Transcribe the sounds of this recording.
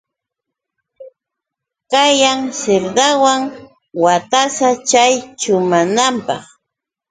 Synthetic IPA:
kajaŋseɾd̪awaŋ | wat̪asat͡ʃajt͡ʃʊmanampɑ̰χ

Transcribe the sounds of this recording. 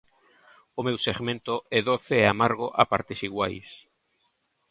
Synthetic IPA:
ʊmewseɣmẽnt̪ʊɛðoθɪeamaɾɣʊʔapaɾt̪ɪsiɣwajs

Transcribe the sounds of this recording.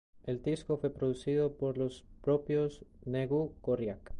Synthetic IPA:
eld̪iskofwe̞pɾoðusiðopoɾlospɾopjosneɣukorjak

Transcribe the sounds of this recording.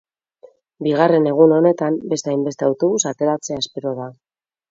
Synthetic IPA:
biɣare̞ne̞ɣ̞uno̞ne̞t̪ambe̞st̪ajmbest̪e̞awt̪o̞βusat̪e̞ɾat͡se̞aspeɾoða

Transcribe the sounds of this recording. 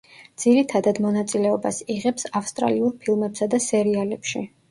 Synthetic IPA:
d̪z̥iɾit̪ʰad̪ad̪mɔnat̪sʼilɛɔbasiʁɛpsafst̪ʼɾa̰liuɾpʰilˠmɛpsad̪asɛɾialɛpʃi

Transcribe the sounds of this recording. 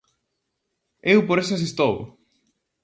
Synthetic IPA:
ewpoɾesʊasist̪ow

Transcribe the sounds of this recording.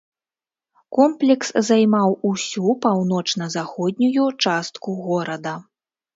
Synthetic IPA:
kɔmplʲɛkszajmawusʲupawnɔt͡ʂn̪ɐzaxɔd̪ʲnʲujut͡ʂast̪kuɣɔɾɐd̪ɐ

